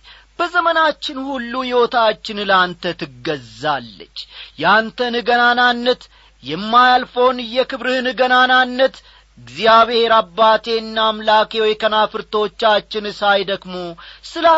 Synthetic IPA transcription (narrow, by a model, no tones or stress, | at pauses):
b̥əzəmənat͡ʃːɪnhulːujɛwot̪ʰat͡ʃːɪnlant̪ʰət̪ʰɨɡːəzalːə̰t͡ʃːjɛant̪ʰənɨɡənananːət̪ | jɛmːajalfownɨjɛkɨβɾɨhɨnɨɡənananːət̪ | ɨɡzijaβhe̞ɾabːat̪ʰe̞ɨnːamlake̞wɔjkənafɨɾt̪ʰo̞t͡ʃːat͡ʃːɪnɨsajd̪əɡmo̞sɨla